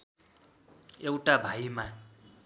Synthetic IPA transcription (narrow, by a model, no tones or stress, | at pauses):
ewʈabʱaima